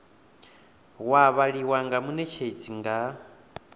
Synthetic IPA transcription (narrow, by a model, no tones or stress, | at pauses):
waβaɺiwaŋɡamunɛt͡ʃʰed͡ziŋɡa